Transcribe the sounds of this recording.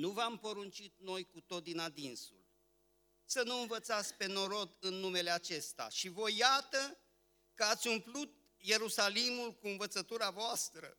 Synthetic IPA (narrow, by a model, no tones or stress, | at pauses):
nuvampo̞ɾunt͡ʃit̪̚no̞jkut̪o̞t̪̚d̪inad̪insṵl | sənuɨnvət̪sat̪sʲpe̞no̞ɾo̞d̪ɨnːume̞le̞at͡ʃe̞st̪a̰ʃivo̞jːat̪ə | kəat̪sʲumplut̪̚ | je̞ɾusalimulkuɨnvət̪sət̪uɾavoast̪ɾə̰